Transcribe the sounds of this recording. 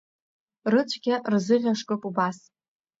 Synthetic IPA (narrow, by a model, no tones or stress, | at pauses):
rɨt͡ɕʷʰɡʲarzɨʁʲaʂkʼɨpʼubas